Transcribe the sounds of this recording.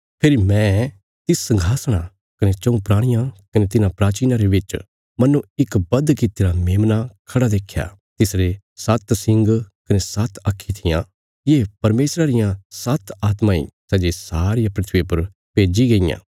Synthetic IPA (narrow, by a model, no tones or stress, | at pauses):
pʰɪɾimɛ̃ | t̪ɪsːɐ̃ŋɡʱaːsɽ̃a | kɐnet͡ʃɐũpɾaːɽ̃ɪjãkɐnet̪ɪnãpɾaːt͡ʃiːnaɾeʋɪt͡ʃ | mɐnːũɪkbɐd̪kɪt̪eːɾameːmnakʰɐɽad̪eːkʰːja̰t̪ɪsɾe | sɐt̪sɪ̃ŋɡkɐnesɐt̪akʰːit̪ʰɪjã | jeːpɐɾmeːsɾaɾɪjãsɐt̪aːt̪mãḭsɛːd͡ʒesaːɾɪjãpɾɪt̪ʰʋipɐɾ | peːd͡ʒiɡɐijã̰ː